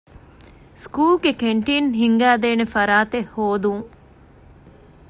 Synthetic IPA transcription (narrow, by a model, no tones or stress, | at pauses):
skuːlɡekeɳʈiːnɦiŋɡæːd̪eːnefɐɾaːt̪ehːoːd̪uŋ